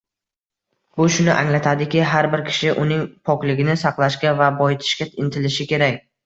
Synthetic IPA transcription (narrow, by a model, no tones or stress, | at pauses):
bʊʃʊnɪʔaŋlat̪ʰad̪ɪkʲɪɦaɾbɪɾkʲʰɪ̥ʃɪʔʊnɪŋpʰɒkʲlɪɡʲɪnɪsɑqlˠaʃkʲavabɒjɪt̪ʰɪ̥ʃkʲaɪnt̪ʰɪlɪʃɪkʲʰe̞ɾakʲ